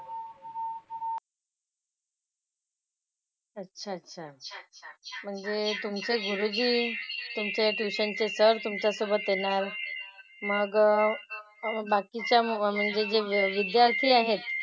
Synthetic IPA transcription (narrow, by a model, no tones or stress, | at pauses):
ətːɕʰaətːɕʰa | m̤əɳd͡zet̪umt͡seɡuɾud͡ʑiːt̪umt͡sjʈuɕənt͡sesəɾt̪umt͡ɕasobət̪jenaɾ | məɡ | bakit͡ɕjam̤əɳd͡zed͡zeʋid̪jaɾt̪ʰiːaɦet̪